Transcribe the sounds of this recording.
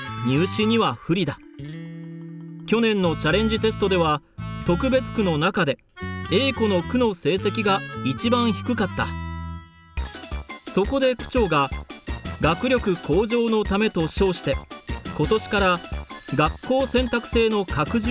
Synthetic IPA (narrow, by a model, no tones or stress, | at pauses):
ɲ̟ɨːɕiɲ̟iβaɸɯ̟ɾʲid̪a | kʲo̞nẽ̞nːo̞t͡ɕaɾẽ̞ɲ̟d͡ʑit̪e̞sɨ̥t̪o̞d̪e̞βa | t̪o̞kɯ̟be̞t͡sɨ̥kɯ̟no̞nakad̪e̞ | e̞ːko̞no̞kɯ̟no̞se̞ːse̞kʲiɡait͡ɕibãɰ̃çi̥kɯ̟kat̪ːa̰ | so̞ko̞d̪e̞kɯ̟̥t͡ɕo̞ːɡa | ɡakɯ̟ɾʲjo̞kɯ̟kʰo̞ːʑo̞ːno̞t̪ame̞t̪o̞ɕo̞ːɕi̥t̪e̞ko̞t̪o̞ɕi̥kaɾaɡakːo̞ːsẽ̞nt̪akɯ̟̥se̞ːno̞kakɯ̟ʑ